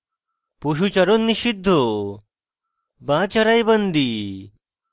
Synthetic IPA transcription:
puɕut͡ɕɐɾonːiɕid̪ʱːo | bãt͡ɕəɾajbənd̪i

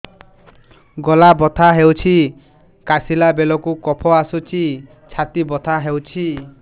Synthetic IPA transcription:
ɡɔlabɔt̪ʰaɦewt͡ʃʰi | kasilabelɔkukɔpʰɔasut͡ʃi | t͡ʃʰat̪ibɔt̪ʰaɦewt͡ʃʰi

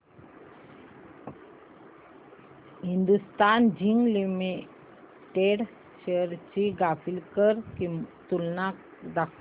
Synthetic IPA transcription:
ɦind̪ust̪and͡ʑiŋɡlimi | ʈeɽ | ɕeɾt͡ɕiɡafilkəɾkit̪ulnak̚ | d̪akʰ

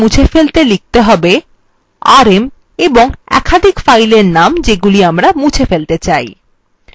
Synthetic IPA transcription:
ũt͡ɕʰefelt̪elik̚t̪eɦɔbe | aɾem | eboŋɛ̰kʰad̪ʱikfajleɾnamd͡ʑeɡuliamɾamut͡ɕʰefelt̪et͡ɕaj

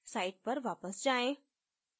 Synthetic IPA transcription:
saːɪʈ̚pɐɾʋaːpəsd͡ʒaːẽ

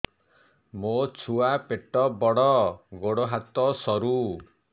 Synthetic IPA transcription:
mot͡ʃʰuapeʈɔbɔɽɔɡoɽɔɦat̪ɔsɔɾu

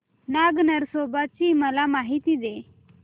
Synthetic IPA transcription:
naɡnəɾsobət̪̚t͡ɕiːməlamaɦit̪id̪e

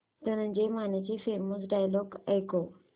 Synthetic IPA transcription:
t̪ənə̃nd͡ʑemanet͡ɕefeməs̬ɖajlɔɡajko

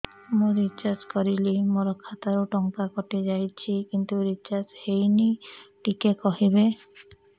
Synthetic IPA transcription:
mũɾit͡ʃaɾd͡ʒkɔɾilimoɾɔkʰːat̪aɾoʈɔŋkakɔʈed͡ʒajt͡ʃʰikint̪uɾit͡ʃaɾd͡ʒhejniʈikekɔɦibe

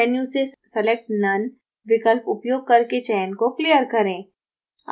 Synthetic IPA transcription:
ɛnjũsesɐlek̚ʈnɐn | ʋɪkəlpʊpjoːɡ̚kɐɾket͡ʃɛːnkoklijəɾkɐɾẽː

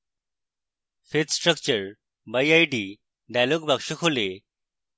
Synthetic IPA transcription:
fet͡ssʈɾək̚t͡ɕəɾ | bajajɖi | ɖalokbʱakʂəkʰole

